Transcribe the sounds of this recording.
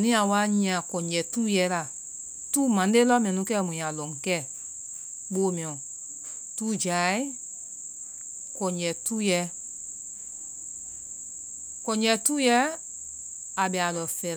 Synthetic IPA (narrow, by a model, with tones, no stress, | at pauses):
nĩ˦a˨wa˧˦ɲĩ˦ã˨kɔ̃˨ɲd͡ʒɛ˨tuː˦jɛ˨˦la˨ | tuː˦mã˨n˦e˦lɔ˦mĩ˨ɛ̃˨nũ˧˦kɛ˦˨mũ˨ã˨lɔ̃˨ŋ˨kɛ˦˨ | ɓoː˧˦mĩ˨ɔ̃˨ | tuː˦d͡ʒa˨˦i˦ | kɔ̃˨ɲd͡ʒɛ˨tuː˦jɛ˨˧˦ | kɔ̃˨ɲɛ˧˦tuː˦jɛ˨˦ | a˨ɓɛ˨a˨lɔ˨fɛ˨